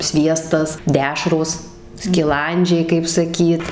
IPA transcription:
ˈsʲʋʲiɛstɐs ˈdʲæːʃroːs sʲkʲɪˈlˠɐnʲd͡ʒʲɛɪ kɐɪp sɐˈkʲiːt

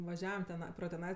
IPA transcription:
ʋɐˈʒʲæːʋɐm tʲɛˈnɐɪ proː tʲɛˈnɐɪ

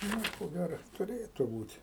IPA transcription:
ˈnʊ ɪ koː ˈɡʲæroː tʊˈrʲeːtʊ ˈbuːtʲ

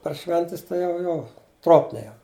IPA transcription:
pɐr ˈʃʲʋʲɛnʲtʲɛs ˈtɐɪ jɛʊ ˈjoː ˈtroːpʲnʲɛɪ jɛʊ

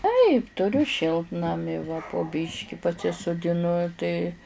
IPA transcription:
tɐɪp tʊˈrʲʊ ˈʃʲɪlˠtnɐmʲɪ ʋɐ poː ˈbʲiːʃʲkʲɪ pɐsʲɪsʊdʲɪˈnʊ tɐɪ

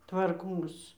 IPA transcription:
tʋɐrˈkoːs

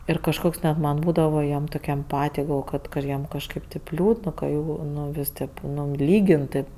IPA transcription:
ɪr kɐʃˈkoːks nʲɛt mɐn ˈbuːdɐʋoː jiɛm toːˈkʲ ɛmˈpɑːtʲɪj ɡɐlˠˈʋoːjoː kɐt ˈjiɛm kɐʃˈkɐɪp tɐɪp ˈlʲuːdn kɐ ˈjuː ˈnʊ ˈʋʲɪsʲ tʲeːp ˈnʊ ˈlʲiːɡʲɪn tʲeːp

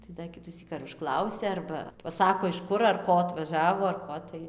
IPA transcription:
tɐɪ dɐ ˈkʲɪtʊsʲiːk ɐr ʊʃˈklˠɐʊsʲɛ ˈɐrbɐ pɐˈsɑːkoː ɪʃ ˈkʊr ɐr ˈkoː ɐtʋɐˈʒɑːʋoː ɐr ˈkoː tɐɪ

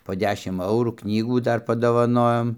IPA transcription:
poː ˈdʲæːʃʲɪm ˈɐʊruː ˈknʲiːɡuː ˈdɐr pɐdoːʋɐˈnoːjoːm

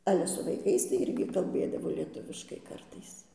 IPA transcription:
ˈɑːlʲɛ sʊ ʋɐɪˈkɐɪs tɐɪ ˈɪrʲɡʲɪ kɐlʲˈbʲeːdɐʋoː lʲiɛˈtʊʋʲɪʃkɐɪ ˈkɐrtɐɪs

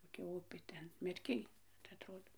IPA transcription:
koːˈkʲɛ ˈʊpʲeː ˈtʲɛn mʲɛrʲˈkʲɪj tɐɪ ɐtˈroːdoː

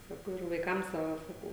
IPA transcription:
ˈsɑːkɐʊ ɪr ʋɐɪˈkɐm ˈsɑːʋɐ sɐˈkɐʊ

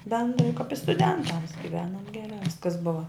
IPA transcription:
bʲɛndrɐɪ kɐp ɪ stʊˈdʲɛntɐms ɡʲɪˈʋʲæːnoːm ɡʲɛˈrɑː ˈʋʲɪskɐs ˈbʊʋɐ

